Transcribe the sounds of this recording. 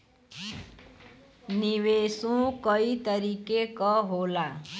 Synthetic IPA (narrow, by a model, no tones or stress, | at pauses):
niwesũkʌit̪ʌɾikekʌɦola